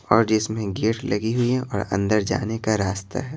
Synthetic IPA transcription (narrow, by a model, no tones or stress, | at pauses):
ɔːɾd͡ʒɪsmẽɡeːʈlɐɡiɦʊiɔːɾɐ̰̃nd̪əɾd͡ʒa̰ːnekaɾaːst̪ʰa̰ɦɛː